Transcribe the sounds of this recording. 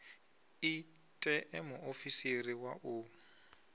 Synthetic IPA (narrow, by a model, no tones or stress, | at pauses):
i | tʼɛʔɛmʊʔofisiriwa̰ʔu